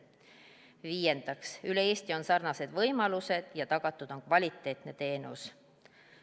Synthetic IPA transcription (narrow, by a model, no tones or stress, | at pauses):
viːje̞nd̪̥ɑksyle̞e̞ːst̪io̞nsɑrnɑse̞d̪̥vɤ̞jmɑluse̞d̪̥jɑt̪ɑɡ̥ɑt̪ːˑud̪̥o̞nkvɑlʲit̪ːˑe̞ːt̪ne̞t̪e̞ːnus